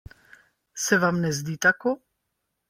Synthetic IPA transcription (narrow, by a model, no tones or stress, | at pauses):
sɛvamnɛzd̪iːt̪akɔ